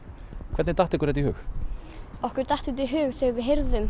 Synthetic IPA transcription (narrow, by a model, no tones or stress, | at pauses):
kʰvɛt̪nɪt̪aht̪ɪkʏɾɛt̪ɪhɦʏ̰ːx | ɔhkʏɾ̥t̪aht̪hɛt̪̬iɦʏːɣθeɣvɪɦejɾðʏm